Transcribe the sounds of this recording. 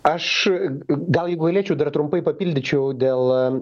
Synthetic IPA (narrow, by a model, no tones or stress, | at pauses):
ɐʃ | ɡɐlˠjɛɪɡʊɡɐlʲeːt͡ʃʲɛʊd̪ɐrt̪ɾʊmpɐɪpɐpʲiːlʲd̪ʲɪt͡ʃʲɛʊd̪ʲeːlˠ